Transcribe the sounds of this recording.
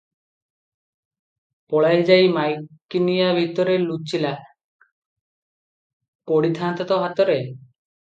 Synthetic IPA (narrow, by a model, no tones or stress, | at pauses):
pɔɭajd͡ʒajmajkːinijabʱit̪ɔɾelut͡ʃila | koɽit̪ʰant̪ɔt̪ɔɦat̪ɔɾe